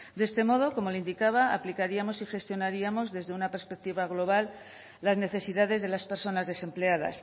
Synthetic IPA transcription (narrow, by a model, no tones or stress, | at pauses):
d̪e̞st̪e̞mo̞ð̞o̞ko̞mo̞leind̪ikaβaːplikaɾiamo̞sixe̞st̪jo̞naɾiamo̞zðe̞zðe̞unape̞ɾspek̚t̪iβaɣlo̞β̞alː | azne̞θe̞siðaðe̞zð̞e̞laspe̞ɾso̞nazðe̞se̞mple̞aða̰s